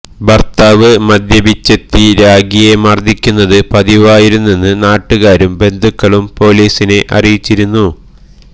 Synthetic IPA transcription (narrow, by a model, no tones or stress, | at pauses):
bɐrt̪aːʋɨmɐd̪jɐbit͡ɕːɐt̪ːiɾaːɡijemɐrd̪ʱːikʲːunːɐðɨpɐðiʋaːjiɾunːenːɨnaːʈːuɣaːɾumbe̞nd̪ʱukːɐɭumpo̞ːliːsine̞ʔɐ̰rijit͡ɕːiɾunːu